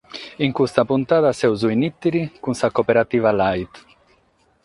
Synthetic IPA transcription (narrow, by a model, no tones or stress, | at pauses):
iŋkust̪apunt̪aːt̪asɛwzuinit̪ːiɾikunsakopeɾat̪iːvalajt̪